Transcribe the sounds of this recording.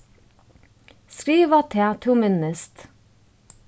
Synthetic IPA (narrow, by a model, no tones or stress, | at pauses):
skɾiːʋɑt̪ʰeːt̪ʰumɪnəst̪